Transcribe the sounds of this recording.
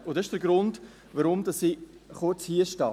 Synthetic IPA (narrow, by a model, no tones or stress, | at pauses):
ʊd̥ɑɪʃd̥əɾɡɾʊnd | vaɾʊmdɑsi | χʊt͡shiəʃtɑː